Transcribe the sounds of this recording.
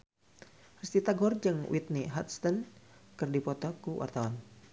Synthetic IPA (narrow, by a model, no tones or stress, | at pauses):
rist̪it̪aɡɔrd͡ʒɨŋwʔḭt̪̚niɦat̪st̪ənkɨrdipɔt̪ɔkuwʔa̰rt̪awan